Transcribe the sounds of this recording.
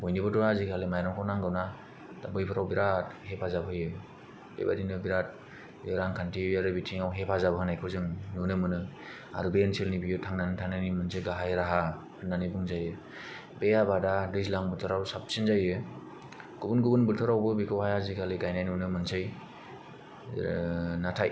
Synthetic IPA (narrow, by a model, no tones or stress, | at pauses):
bojnibɯdɔɾazikʰalimajɾɔmkʰawnaŋɡawna | d̥abɯjpʰɯɾawbiɾat̚hepʰazabɯjɯ | dḛba̰dinɯbiɾat̚ | jɔɾaŋkʰantʰijaɾɯbitʰiŋawɦepʰazabɯɦɯnajkʰɯzɯŋnunɯmɯnɯ | a̰ɾɯbensʰilnibijɯtʰaŋnanɯtʰaŋnajnimɯnsʰɯjɡaɦajɾaɦa | ɯnːanibuŋzajɯ | bejabadadɯzlaŋbɯtʰɯɾawsap̚sinzajɯ | ɡ̥ubunɡubɯnbɯtʰɯɾawbɯbikʰɯwhajazikʰaliɡajnajnunɯmɯnsʰɯj | natʰaj